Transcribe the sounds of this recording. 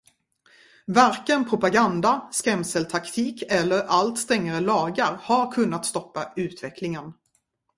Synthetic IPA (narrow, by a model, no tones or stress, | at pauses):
vaɾkənpʰɾʊpaɡand̪askɛmsəlt̪ʰakt̪ʰiːkɛlːəɾalt̪st̪ɛŋːaɾəlɑːɡaɾhaɾkʰɵnːat̪st̪ɔpːaʉ̟ːt̪vɛkʰlɪŋən